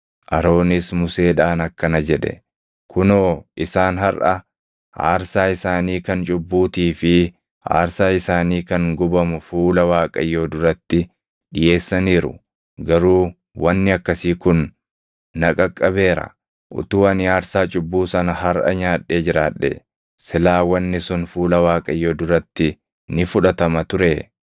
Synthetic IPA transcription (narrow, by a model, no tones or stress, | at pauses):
ʔɐɾo̞ːnɪsmʊse̞ːᶑaːnɐkːɐnɐd͡ʒɛᶑɛ̰ | kʰʊnoːʔɪsaːnɦɐɾʔɐ | a̰ːɾsaːɪsaːniːkɐnt͡ʃʼʊbːuːt̪iːfɪ | a̰ːɾsaːɪsaːniːkɐŋɡʊbɐmʊfuːlɐwaːkʼɐ̰jːo̞ːd̪ʊɾɐt̪ːɪ | ɗɪje̞ːsːɐniːɾʊ̰ | ɡɐɾuː | wɐnːɪɐkːɐsiːkʊnː | ɐkʼɐkʼːɐbe̞ːɾɐ̰ | ʔʊ̰t̪ʊːɐnɪaːɾsaːt͡ʃʼʊbːuːsɐnɐhɐɾʔɐ̰ɲaːᶑːe̞ːd͡ʒɪɾaːᶑːɛ̰ | sɪlaːwɐnːɪsʊnfuːlɐwaːkʼɐjːo̞ːd̪ʊɾɐt̪ːɪ | nɪfʊᶑɐt̪ɐmɐt̪ʊɾe̞ː